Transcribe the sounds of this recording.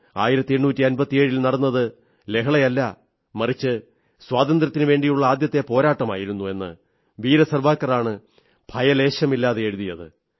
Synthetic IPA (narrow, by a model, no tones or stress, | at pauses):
a̰ːjiɾɐt̪ːieɻnuːtːiɐnbɐt̪ːijeːɻilnɐɽɐnːɐðɨ | le̞kʰɐɭɐjɐlːɐ | mɐrit͡ɕːɨ | swaːd̪ɐnd̪ɾɐt̪ːinɨʋe̞ːɳɖijuɭːɐaːd̪jɐt̪ːe̞po̞ːɾaːʈːɐmaːjiɾunːue̞nːɨ̰ | ʋiːɾɐsɐrbaːkːɐraːɳɨ | bʱɐjɐle̞ːɕɐmilːaːðeeɻuðijɐðɨ̰